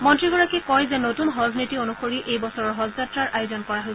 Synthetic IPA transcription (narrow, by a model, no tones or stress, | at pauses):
mɔntɹiɡɔɹakɛkɔjzɛnotunɦɔznitionuxoɹiʔejbɔsɔɹɔɹɦɔzzatɹaɹʔajozɔnkɔɹaɦojsɛ